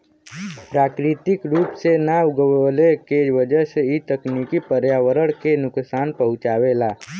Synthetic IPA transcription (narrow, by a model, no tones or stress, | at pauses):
pɾaːkɾit̪ɪkɾuːpsenaʊɡəwlekeʋəd͡ʒəɦseit̪əknikipəɾjaːwəɾəɽkenʊksaːnpəɦʊ̃t͡ʃaːʋelaː